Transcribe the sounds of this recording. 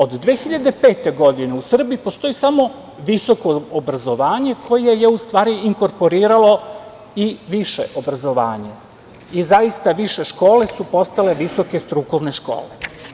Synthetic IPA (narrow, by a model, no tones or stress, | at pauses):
o̞d̪d̪ʋeːxiʎad̪e̞peːt̪e̞ɡo̞d̪ine̞usr̩biipo̞st̪o̞isamo̞ | ʋiso̞ko̞ːbɾazo̞ʋaːɲe̞kʰo̞je̞je̞ust̪ʋaːɾiiŋko̞ɾpo̞ɾiːɾalo̞ | iʋiʃe̞̰ʔo̞bɾazo̞ʋa̰ːɲe̞ | izaist̪aʋiʃe̞ʃko̞ːle̞supo̞st̪ale̞ʋiso̞ke̞st̪ɾuko̞ʋne̞ʃko̞̰ːle